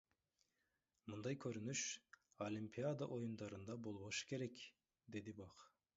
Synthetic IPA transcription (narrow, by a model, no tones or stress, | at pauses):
mund̪ɑjkʲʰɵɾynyʃolʲimpʲiad̪ɑʔo̞jund̪ɑɾɯnd̪ɑbo̞lˠboʃɯ̥kʲʰe̞ɾekʲ | d̪e̞d̪ibɑq